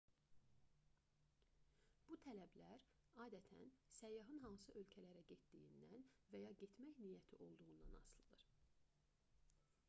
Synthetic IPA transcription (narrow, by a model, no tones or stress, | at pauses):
b̥ut̪ʰælæblæɾ | ɑːd̪æt̪ʰæ̰nsæjːɑɦɯnɦɑnsɯʔø̞lcʰælæɾæɟet̪d̪ḭjḭnd̪ænvæjɑɟet̪ʰmæçnijæt̪ʰiʔo̞lˠd̪uʁund̪ɑ̰nɑ̰slˠɯd̪ɯɾ